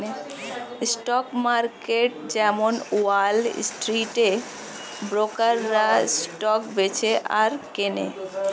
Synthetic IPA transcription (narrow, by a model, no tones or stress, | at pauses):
e | sʈɔkmaɾkeʈd͡ʑɛmonuwal̰sʈɾiʈe | bɾokəɾːasʈɔkbet͡ɕʰeʔaɾkenḛ